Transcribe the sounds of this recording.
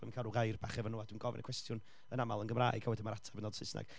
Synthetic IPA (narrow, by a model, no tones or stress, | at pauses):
bɔmənkʰalˠuɡajrbaχɛvənuadwinɡɔvɛ̰nəkwɛstjʊn | ənamalˠənɡəmraːjɡ̥ʰawɛdimaɾatʰavənɔːd̥sɪsna̰ɡ̥